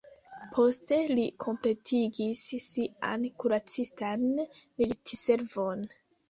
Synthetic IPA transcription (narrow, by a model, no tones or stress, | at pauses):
pʰo̞ste̞likʰo̞mple̞tʰiɡisːia̰nkuɾat͡sistanmilitʰise̞ɾvo̞n